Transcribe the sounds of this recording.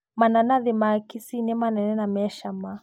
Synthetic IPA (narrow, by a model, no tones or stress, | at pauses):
mananaðɛmakisinɛmanɛnɛnamɛʃama